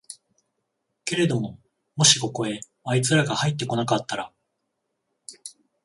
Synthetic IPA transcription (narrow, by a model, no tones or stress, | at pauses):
ke̞ɾe̞d̪o̞mo̞ | mo̞ɕi̥ko̞ko̞e̞ | ait͡sɨɾaɡahait̪ːe̞ko̞nakat̪ːaɾa̰